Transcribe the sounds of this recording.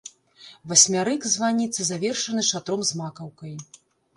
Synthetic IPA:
vɐsʲmʲaɾɨkzvanʲit̪sɨzavʲɛrʂɐnɨʂat̪ɾɔmzmakɐwkɐj

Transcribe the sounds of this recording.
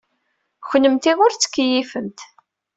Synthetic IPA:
çnəmt̪iʁʊɾt͡sːə̥kːjifənt̪

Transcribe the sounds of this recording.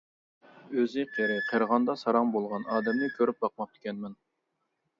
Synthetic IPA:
øzɪqʰeɾɪqʰəɾʁɑnd̪ɑsɑɾɑŋbolˠʁɑnɑːd̪ɛmnɨkʲʰøɾyp̚bɑq̚mɑp̚t̪ʰu̥kʲʰɛnmɛn

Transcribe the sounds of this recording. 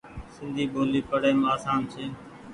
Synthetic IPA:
sɪnd̪ʱiːɓoːliːpəɽeːmaːsaːnt͡ʃʰeː

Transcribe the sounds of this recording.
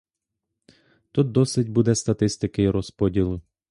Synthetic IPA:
t̪ut̪̚d̪ɔsɪdʲbud̪ɛst̪ɐt̪ɪst̪ɪkɪiɾɔspɔdʲilˠʊ

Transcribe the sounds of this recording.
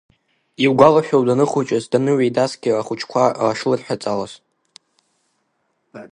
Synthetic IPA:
iwɡʷalaʃᶣowdanɨχut͡ʃʼazdanɨɥejdasɡʲɪaχʷut͡ʃʰkʷʰaaʂlɨrħᶣat͡sʼalas

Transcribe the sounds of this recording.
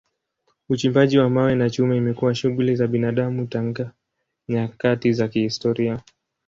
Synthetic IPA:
ut͡ʃimbaʄiwamawɛnat͡ʃumɛimɛkuwaʃuɣulizaɓinaɗamutaŋɡa | ɲakatizakihistɔɾia

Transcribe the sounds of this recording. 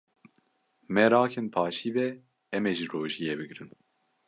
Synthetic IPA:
mɛɾɑːkʰenpʰɑːʃiːvɛ | ɛmɛʒiroːʒijɛbɨɡɾɨn

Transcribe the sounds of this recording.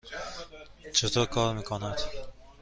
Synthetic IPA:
t͡ʃʰet̪ɔkʰɔɾmiːkʰonad̪̥

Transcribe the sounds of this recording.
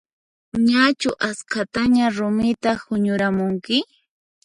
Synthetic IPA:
ɲat͡ʃʊʔaskat̪aɲaɾʊmɪt̪ahʊɲʊɾamʊŋkɪ

